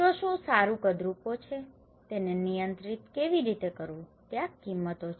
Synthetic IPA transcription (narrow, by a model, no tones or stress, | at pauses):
oʃũsaɾũkəd̪ɾupot͡ʃʰe | t̪enenijə̃nt̪ɾit̪keʋiɾit̪ekəɾũ | t̪jãkːimːət̪ot͡ʃʰe